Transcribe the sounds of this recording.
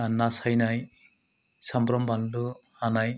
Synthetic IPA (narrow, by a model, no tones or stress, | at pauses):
nasajnaj | sambɾɔmbanluhanaj